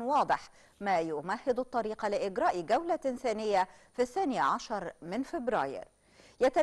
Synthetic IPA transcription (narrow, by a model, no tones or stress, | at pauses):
wɑːd̪ˤɨħ | maːjʊmahːɪd̪ɑt̪ˤːɑɾiːqɑlɪʔɪɡɾɑːʔɡawlaɪnθaːnɪjːa | fiθːaːnɪʕaʃɑɾˤmɪnfɪbɾɑ̰ːjɪ̰ɾ | jat̪a